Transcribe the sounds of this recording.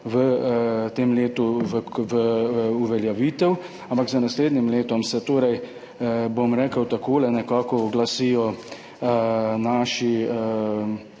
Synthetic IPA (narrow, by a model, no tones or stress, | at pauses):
ʋət̪eːmleːt̪uʋəʋəuʋɛljaʋiːt̪ɛw | ampakzanasleːd̪nimleːt̪ɔmsɛt̪oːɾɛj | bomɾɛːkəwt̪akoːlɛnɛkaːkɔɡlasiːjɔ | ənaːʃiə